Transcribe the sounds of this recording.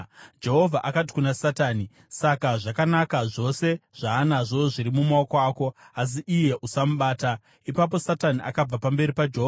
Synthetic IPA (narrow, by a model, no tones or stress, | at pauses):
d͡ʒe̞ɦo̞vʱaʔakat̬i̥kunasataːni | sakaʐakanakaʐo̞se̞ʐ̥aːnaʐo̞ʐiɾimumaokoaːko̞as̬iʔije̞ʔusamuɓaːta | ipap̬o̞sataniʔakab͡vapambe̞ɾipad͡ʒeɦoa